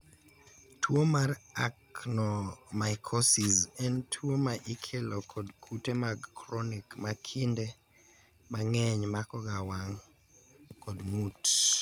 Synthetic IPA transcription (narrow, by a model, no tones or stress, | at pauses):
tʰwomaraknɔmaɪkʰɔsizɛntʰwomaʔikʰelɔkʰɔdkʰutemaɡkɾɔnikmakʰinde | maŋɛɲmakɔɡawaŋ | kɔdmut